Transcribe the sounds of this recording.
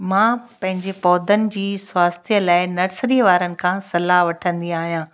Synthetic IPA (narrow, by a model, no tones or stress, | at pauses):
mãːpɐ̃ɦɪ̃ɲd͡ʑepɔːd̪ənɪ̆d͡ʑiːswaːst̪ʰijəlaːɪnɐɾsɾiʋaːɾənɪ̆kʰãːsɐlaɦʋɐʈʰə̃nd̪ĩaːɦijãː